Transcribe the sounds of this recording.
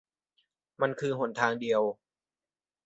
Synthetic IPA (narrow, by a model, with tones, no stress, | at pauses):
ma˧nkʰɯː˧ɦo˩˦nt̪ʰaː˧ŋdi˧əw